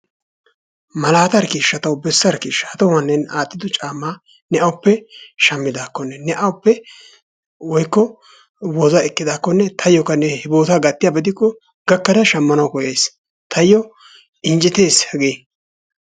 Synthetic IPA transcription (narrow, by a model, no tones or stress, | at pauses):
mɐlaːt̪ɐɾkiːʃːɐt̪ɐwbɛsːɐɾkiːʃːɐɐt̪ɔwɐnːɛnaːt̪ʼːɪd̪ʊt͡ʃʼaːmːaː | nɛɐwʊpːɛʃɐmːɪd̪aːkːɔnːɛnɛʔɐwʊpːɛ | wɔjkːɔ | woːzaɛkːɪd̪aːkːɔnːɛt̪ʰɐjːɔkːɐnɛhɪbo̞ːt̪aːɡɐt̪ːɪjaːbɐd̪ɪkːɔ | ɡɐkːɐd̪ɐʃɐmːɐnɐwkɔjeːs | t̪ʰɐjːɔ | ɪnd͡ʒɛt̪e̞ːshɐɡeː